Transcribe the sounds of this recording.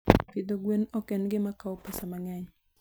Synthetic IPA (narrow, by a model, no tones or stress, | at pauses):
pid̪oɡwenokɛnɡɪmakaopasamaŋɛɲ